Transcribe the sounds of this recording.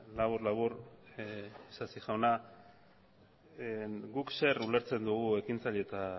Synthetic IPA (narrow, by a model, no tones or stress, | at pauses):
laβuɾlaβur | sasiʝawna | ɡukse̞ɾule̞ɾt͡se̞nd̪uɣ̞ue̞kint͡saʎet̪a